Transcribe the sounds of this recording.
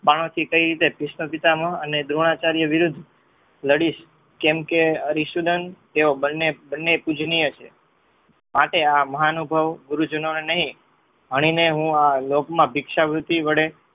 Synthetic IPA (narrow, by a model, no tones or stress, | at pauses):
paɽ̃õt̪ʰikəiɾit̪epɪʃnopit̪aməɦəned̪ɾoɽ̃at͡ʃaɾjəʋɪɾud̪ʱː | ləɽiʃ | kɛmkeəɾiʃud̪ənt̪eobənːebənːepud͡ʒnijət͡ʃʰe | maʈeaməɦanubʱəʋɡuɾud͡ʒənonenəɦĩ | ɦəɽ̃ineɦũalokmãbʱikʃabɾut̪iʋəɽe